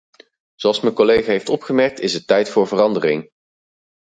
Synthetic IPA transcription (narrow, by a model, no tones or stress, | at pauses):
z̥owɑlˠsmɛnkolejχaːɦejftɔpχəmɛɹk̚tɪsətɛjtfʊːɹvərɑndərɪŋ